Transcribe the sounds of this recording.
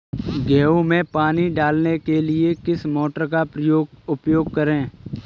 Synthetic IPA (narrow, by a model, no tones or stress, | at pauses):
ɡɛːoːmẽːpaːniɖaːlnekelɪekɪsmoːʈəɾkapɾəjoːɡʊpjoːɡ̚kəɾẽː